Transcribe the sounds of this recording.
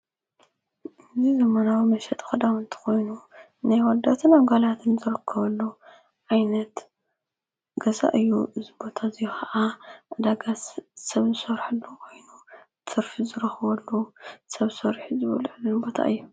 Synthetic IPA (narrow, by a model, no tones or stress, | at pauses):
ʔɨzizɐmɐnawimɐʃɛt̪ʼxɐd̪awnt̪ʰɨ̥xo̞jnu | najwɐd̪at̪ʰɨnamɡalat̪ʰɨnzɨɾɨkʰːɐβɐlːu | ʕajnɐt̪ | ɡɐza̰ʔɨjːuʔɨzibo̞t̪ʰazijxɐʔaʔad̪aɡassɐβzɨsɐɾħɨlːukʰo̞jnu | t̪ʰɨɾfizɨɾɐxɨβɐlːusɐβɨsɐɾħizɨβɐ̰luʕɨlːunbo̞t̪ʰa̰ɨjːu